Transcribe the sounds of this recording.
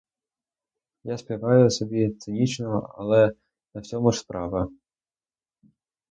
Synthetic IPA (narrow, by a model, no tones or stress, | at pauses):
jaspʲɐʋɑjʊsɔbʲit̪sɪnʲit͡ʃnɔɐ̰lˠɛ | nɐwsʲɔmʊʂspɾɑʋɐ